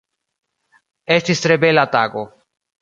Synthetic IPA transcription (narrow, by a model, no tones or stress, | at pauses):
est̪ist̪ɾebelat̪aɡo